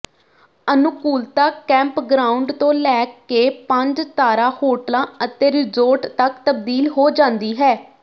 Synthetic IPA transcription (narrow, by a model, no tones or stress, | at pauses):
ənʊkuːlt̪aːkɛ̃ːmpɡɾaːʊɳɖt̪õːlɛːkːeːpəɲd͡ʒt̪aːɾaːhoːʈəlãːət̪eːɾɪzoːɾʈt̪əkt̪əbd̪iːlɦoːd͡ʒãːnd̪iːɦɛː